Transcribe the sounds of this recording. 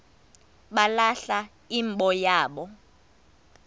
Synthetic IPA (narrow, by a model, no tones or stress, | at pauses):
ɓalaɬa | imɓɔjaːɓɔ